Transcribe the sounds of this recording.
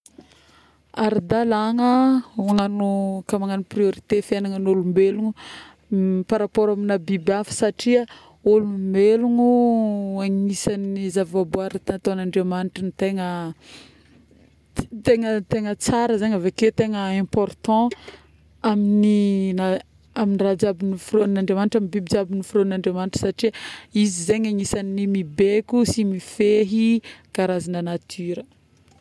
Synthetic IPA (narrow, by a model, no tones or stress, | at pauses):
aɾid̪alaŋəaŋanukamaŋanuprioɾit̪efenaŋənulumbeluŋu | paɾapoɾaminabibafə̥saʈ͡ʂia | ulumbeluŋuaŋiisanizavvabuaɾit̪aat̪oanãɳɖ͡ʐemaniʈ͡ʂinit̪eŋə | t̪eŋət̪eŋət͡saɾəzaɲaveket̪eŋəɛ̃pɔrt̪ɑ̃ | aminina | aminirad͡ʒabinifronnãɳɖ͡ʐemaniʈ͡ʂamibibid͡ʒabinifɾonnãɳɖ͡ʐemaniʈ͡ʂə̥saʈ͡ʂiizizeɲaŋisaninimibekʲusimifeɦikaɾazinanat̪ʰyɾə